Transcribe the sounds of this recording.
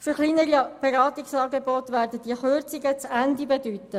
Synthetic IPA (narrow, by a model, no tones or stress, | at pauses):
fyɾχliːnəɾib̥eɾɑːt̪iksɑːɡebɔtʋæːɾdəd̥iəχørt͡sɪɡət͡sændibedytə